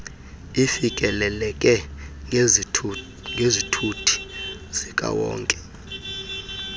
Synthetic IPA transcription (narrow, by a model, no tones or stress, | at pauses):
ifikʼɛlɛlɛkʼɛ | ŋɡʱezitʰutʰi̥z̥ikʼa̰wɔ̰ːŋkʼɛ̥